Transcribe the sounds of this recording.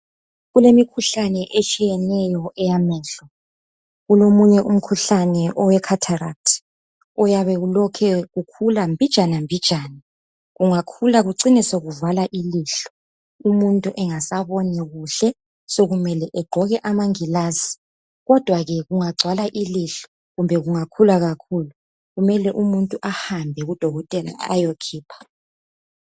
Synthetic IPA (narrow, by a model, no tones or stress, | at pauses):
ɣulemikʰuɬanɛʔet͡ʃʼijɛnɛjɔʔɛjamɛːɬɔ | ɣulomuɲɛʔum̩kʰuɬanɛʔɔwɛkʰatʰara̰tʰ | ɔjaβɛɣulɔkʰɛɣukʰulambʱid̥ʒ̥ʱanambʱid̥ʒ̥ʱaːna | ɣuŋakʰulaɣuǀinisoɣuvalaʔiliɬɔ̥ | umuntʼuʔɛŋasaβɔnɛɣuɬɛ | soɣumɛlɛʔɛɡ͡ǃʱɔɣɛʔamaŋilaːzi̥ | ɣɔd̥ʱwaɣɛɣuŋaɡ͡ǀʱwalaʔiliɬɔ̥ | ɣumbʱɛɣuŋakʰulaɣakʰulu | ɣumɛlɛʔumuntʼuʔahambʱɛɣud̥ʱɔɣɔtʼɛla̰a̰jokʰiːpʰḁ